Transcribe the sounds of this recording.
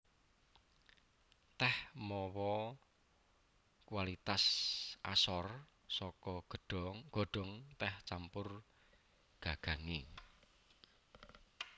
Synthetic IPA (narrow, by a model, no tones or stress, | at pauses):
t̪ɛhmɔwɔ | kuwalit̪asʔa̰sɔr | sɔkɔ̥ | ɡ̥o̤ɖ̥ɔ̤ŋt̪ɛht͡ʃampʊr | ɡ̥a̤ɡ̥ä̤ŋi